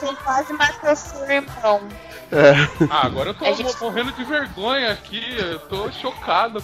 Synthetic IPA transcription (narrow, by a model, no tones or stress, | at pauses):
sẽjkwazɪ̃makosuɾẽmbɾɐ̃w̃ | ɛaaɡɔɾɐewt̪ommoɦẽnd̪ʊd͡ʒɪveɾɡõɲɐːkʰʲiewt̪oʃokad̪ʊ